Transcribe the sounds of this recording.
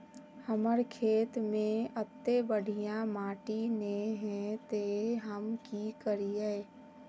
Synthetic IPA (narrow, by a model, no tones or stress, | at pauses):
həməɾkʰeːt̪mẽət̪ːebəɽ̤ʱijãmaːʈineɦɛ̃t̪eɦəmkikəɾieː